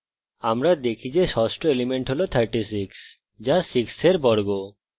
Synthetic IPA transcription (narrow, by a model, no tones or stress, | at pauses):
amɾad̪ekʰid͡ʑeʃɔsʈoelimeɳʈɦolot̪ʰaɾʈis̬iks | d͡ʑasikseɾbɔɾɡo